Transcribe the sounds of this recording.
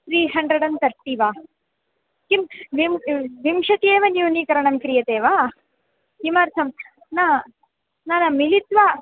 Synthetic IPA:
t̪ɾiːɦɐɳɖɾɐɽɐnt̪ɐɾʈːiʋaː | kimʋimʋimʂɐt̪ieːʋɐnjuːniːkɐɾɐɳɐmkɾijɐt̪eːʋaː | kimaːɾt̪ʰɐm | naː | naːnɐmilit̪ʋaː

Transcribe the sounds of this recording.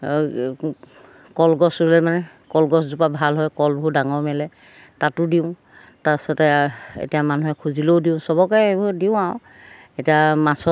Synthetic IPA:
kɔlɡɔsulɛmanɛ | kɔlɡɔszupabʱalɦɔjkɔlbɦudaŋɔɹmɛlɛ | tatʊdiʊ̃ | tasɔtɛḛtijamanuɦɛkʰuzilowdiʊ̃sɔbɔkɔjbdiʊ̃aʊ̃ | etiamasɔ

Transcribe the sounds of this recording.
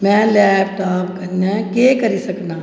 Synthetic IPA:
mɛ̃ːlɛːpʈaːpkɐɾnekekɐɾisɐknaː

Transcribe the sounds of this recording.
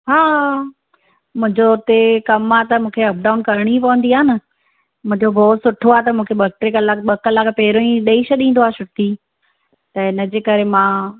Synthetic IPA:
ɦaː | mʊ̃ɦɪ̃ɲd͡ʑot̪ekɐmaːt̪ɐmũːkʰeɐp̚ɖaːʊnkɐɾɽ̃ipɐʋə̃nd̪iaːɦɪnɪ | mʊ̃ɦɪ̃ɲd͡ʑobɔːt̪sʊʈʰoaːt̪̬ɐmũːkʰebɐk̚ʈɾikɐlaɓɐkɐlakpeːɾoĩɗɐiʃɐɗĩːn̆d̪oaːt͡ɕʰʊt̪iː | t̪ɐɪnəd͡ʑeːkɐɾemãː

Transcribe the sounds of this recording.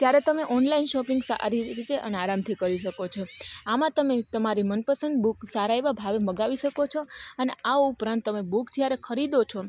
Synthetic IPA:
t̪jaɾɛt̪əmeʔɔnlainʃɔpĩŋɡsa̰ɾiɾit̪eʔə̰naɾamt̪ʰikəɾiʃəkot͡ʃʰoamãt̪əmet̪əmaɾimənpəsə̃nd̪buksaɾaeʋabʱaʋeməɡaʋiʃəkot͡ʃʰoəneaupɾãnt̪ːəmebukd͡ʒjaɾekʰəɾid̪ot͡ʃʰɔ

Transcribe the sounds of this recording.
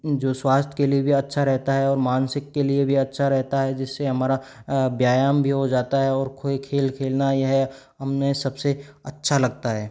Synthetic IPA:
d͡ʒoːswaːst̪ʰkeliebʱiɐtːʃʰaɾɛɦt̪aɦɛɔːɾmaːnsɪkːeliebʱiɐtːʃʰaɾɛɦt̪aɦɛd͡ʒɪsːeɦɐmaːɾabjaːjaːmbʱiɦod͡ʒaːt̪aɦɛɔːɾkʰoikʰeːlkʰeːlnajeɦɛ | ɦɐmnesɐbseɐtːʃʰalɐɡt̪aɦɛː

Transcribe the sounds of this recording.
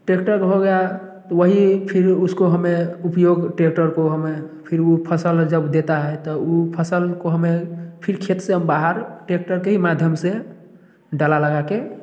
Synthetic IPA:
ʈekʈəɾkɦoɡɛja | t̪ɔwəɦipʰiɾuskoɦəmeupjoɡʈek̚ʈəɾkoɦəmepʰiɾupʰəsəld͡ʒəbd̪et̪aɦɛt̪ɔupʰəsəlkoɦəmepʰiɾkʰet̪seɦəmbaɦəɾʈek̚ʈəɾkeɦimad̪ʱjəmse | ɖalaləɡake

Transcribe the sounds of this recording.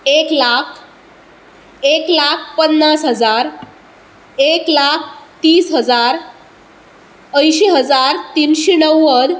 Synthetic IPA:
eklakʰ | eklak̚ʰpənːasɦəd͡zaɾ | eklakʰt̪iːsɦəd͡zaɾ | əjɕiɦəd͡zaɾt̪inɕinəwːəd̪

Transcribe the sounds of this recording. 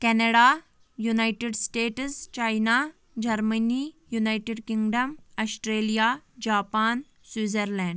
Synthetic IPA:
kɛnəɽa | junajʈeɖsʈeːʈst͡ɕajna | d͡ʑɐɾmənijunajʈeɖkiŋɡɖəmɐsʈɾelijad͡ʑaːpaːn | swiːd͡zəɾlɛ̃ɳɖ

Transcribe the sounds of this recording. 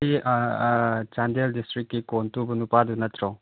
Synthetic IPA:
i | t͡ʃandeldistɾikːikontubɐnupadunɐt̪ʰɾɔw

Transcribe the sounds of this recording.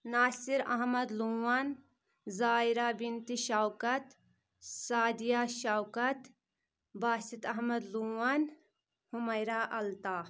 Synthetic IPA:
naːsiɾɐ̰ɦmɐd̪luwaːn | zaːiɾaːbint̪iʃawkɐt̪ | saːd̪ijaːʃawkɐt̪ | baːsit̪ɐɦmɐd̪luːwan | hʊmɐjɾaːʔɐlt̪aː

